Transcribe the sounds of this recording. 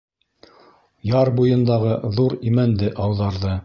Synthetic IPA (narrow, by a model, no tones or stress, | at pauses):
jɑɾbujɤ̆nd̪ɑʁɤðuɾimænd̪ɘʔɑwðɑɾðɤ